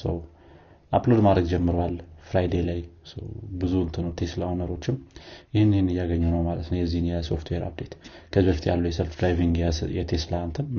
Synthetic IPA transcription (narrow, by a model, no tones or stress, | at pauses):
sə̰w | ʔaplo̞d̪mad̪ɾəɡd͡ʒɛmːɨɾowalfɾajd̪ejlajsə̰wbɨzuɨnt̪ʰɨnːəwt̪ʰe̞slawnəɾo̞t͡ʃːɪmjɪhɨnːhnːɨjːaɡəɲːunəwmalət̪nəwjɛzːihɨnjɛso̞̰ft̪ʰweɾa̰b̚d̪e̞t̪kʰəzbəft̪ja̰lːuwjɛsəlfd̪ɾajviŋɡɛjɛt̪ʰe̞slant̪ʰɨn